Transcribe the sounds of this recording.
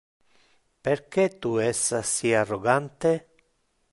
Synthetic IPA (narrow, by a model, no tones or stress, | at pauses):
peɾket̪uɛsːasiarːoɡant̪e